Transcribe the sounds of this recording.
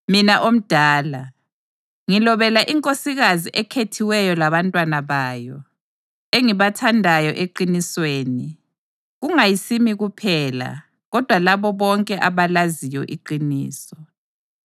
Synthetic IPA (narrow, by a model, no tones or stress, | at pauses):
minaʔom̩d̥ʱaːla | ŋilɔβɛlaʔiŋkʼosiɣaziʔɛkʰetʰiwɛjɔlaβantʼwanaβaːjɔ | eŋiβatʰandʱajɔʔeǃinisweːni | ɣuŋajisimiɣupʰɛːla̰ | ɣɔd̥ʱwalaβɔβɔŋkʼɛʔaβalazijɔ̰ʔiǃinḭːsɔ